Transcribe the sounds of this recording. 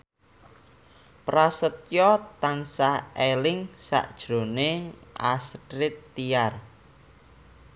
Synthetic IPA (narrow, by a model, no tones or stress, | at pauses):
pɾasət̪̚jɔt̪ansaelɪŋsa̰ʔd̥ʒ̥ɾo̤neŋʔa̰stɾɪt̪ːiar